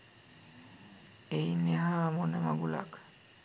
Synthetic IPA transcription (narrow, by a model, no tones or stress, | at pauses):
ejneɦaːmonəmaɡula̰k